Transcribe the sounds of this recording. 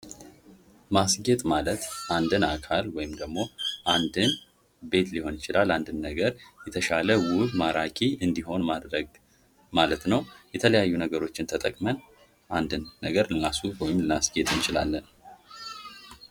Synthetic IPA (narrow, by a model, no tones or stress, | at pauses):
masɡe̞t̪ʼmalət̪ʔand̪ɨnakʰalwɔjɪmd̪əɡmo̞ʔand̪ɨn | be̞t̪liho̞nɪt͡ʃɪlaland̪ɨnːəɡəɾjɛt̪ʰəʃaləwʊbmaɾakʼiɨnd̪iɦo̞nmad̪ɾəɡ | malət̪nəwjɛt̪ʰələjajːunəɡəɾo̞t͡ʃːɪnt̪ʰət̪ʼəkʼmən | ʔand̪ɨnːəɡəɾlɨnasuwɔjɪmlɨnasɡe̞t̪ʼɨnt͡ʃʼɪla̰lːən